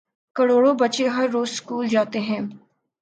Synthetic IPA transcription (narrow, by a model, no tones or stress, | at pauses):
kɐɽoːɽobɐtːʃeɦɐɾːoːzskuːld͡ʒaːt̪eɦɛ̃ː